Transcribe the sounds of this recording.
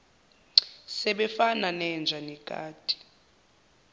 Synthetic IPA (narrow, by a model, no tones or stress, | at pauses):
sɛɓɛfananɛnd͡ʒʱanɛkʼa̰ːd̥ʱʼi̥